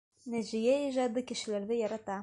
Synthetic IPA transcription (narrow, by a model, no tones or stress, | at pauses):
næʒijæiʒɑd̪ɤkɘ̆ʃɘ̆læɾðɘjɒɾɑt̪ɑ